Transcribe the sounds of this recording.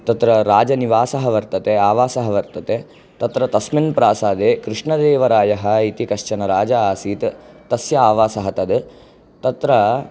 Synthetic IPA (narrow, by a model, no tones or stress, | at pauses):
t̪ɐt̪ɾɐɾaːd͡ʒɐniʋaːsɐɦɐʋɐɾt̪ɐt̪eaːʋaːsɐɦɐʋɐɾt̪ɐt̪e | t̪ɐt̪ɾɐt̪ɐsminpɾaːsaːd̪ekɾɪʂɳɐd̪eːʋɐɾaːjɐɦɐit̪ikɐʂt͡ʃɐnɐɾaːd͡ʒɐaːsiːt̪t̪ɐsjɐaːʋaːsɐɦɐt̪ɐd̪ | t̪ɐt̪ɾɐ